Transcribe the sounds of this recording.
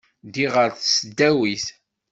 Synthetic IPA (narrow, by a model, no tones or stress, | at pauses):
d̪iʁəɾθsəd̪ːæwiθ